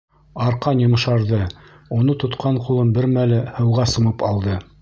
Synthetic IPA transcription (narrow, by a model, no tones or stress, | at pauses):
ɑɾqɑnjɤ̆mɤ̆ʃɑɾðɤ | unɤt̪ŏt̪qʰɑɴqulˠɤmbɘɾmælɘhɤ̆wʁɑsɤ̆mɤpɑlˠd̪ɤ